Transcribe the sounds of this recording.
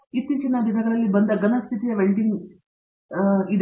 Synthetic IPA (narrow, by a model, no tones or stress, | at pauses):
it̪ːit͡ʃinɐd̪id̪ʱɐɡɐɭɐlːibɐnd̪ɐɡɐnɐst̪ʰit̪ijɐʋeɭɖiŋɡ | id̪